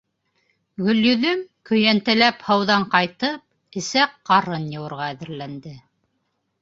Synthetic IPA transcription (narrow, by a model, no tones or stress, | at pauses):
ɡɵ̆ljɵ̆ðɵmkɵ̆jænt̪ɘ̆læphɤ̆wðɑɴqɑjt̪ɤp̚ | ɘ̆sæqːɑɾɤnjɤ̆wɤ̆ɾʁɑæðɘ̆ɾlænd̪ɘ